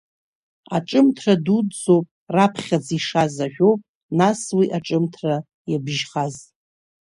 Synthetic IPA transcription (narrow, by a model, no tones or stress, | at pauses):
a̰ʈ͡ʂʼɨmtʰradudd͡zowpʼrapʰχʲad͡ziʂazaʒᶣowpʼ | naswiʔaʈ͡ʂʼɨmtʰra | jabʒχaz